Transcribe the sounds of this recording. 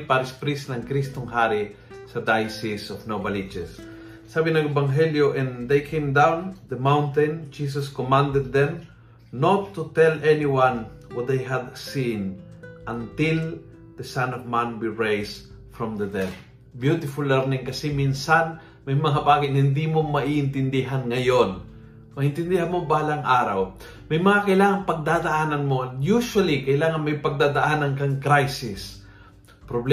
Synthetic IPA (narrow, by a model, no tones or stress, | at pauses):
paɾɪspɾisnɐŋkɾist̪oŋɦaɾi | sɐd̪ajsisɔvnobɐlit͡ʃɛsː | aːbɪnɐŋɛbaŋɦɛljoʔɛ̃nd̪ejkʰẽjmd̪ãwnd̪ɐmãwnt̪ɛ̃nd͡ʒis̬ɐskomãnd̪ɛd̪̚ːɛ̃m | not̪ːut̪ɛlɛniwãn | wɔt̪̚d̪ejɦad̪sĩnʔɐ̃nt̪ɪl | d̪̥ɐsãnɔvmãnwiɹejs | fɹɔ̃md̪ɐd̪ɛθ | bjut̪ɪfʊlːɛɾnɪŋkɐsɛminsan | mɐjmɐŋabaːɡɪt̪hɪnd̪imomɐʔiːʔɪnt̪ɪnd̪ɪɦanŋɐjon | mɐʔɪ̃nt̪ɪnd̪ɪhanmobaːlɐŋʔaːɾɐw | mɐjmɐŋakɐʔɪlaːŋɐnpɐɡ̚d̪aːd̪ɐʔaːnɐnmojuʃwɐlikɐʔɪlaːŋɐnmɐjpɐɡ̚d̪aːd̪ɐʔaːnɐnkɐŋkɾajsɪs | pɾobl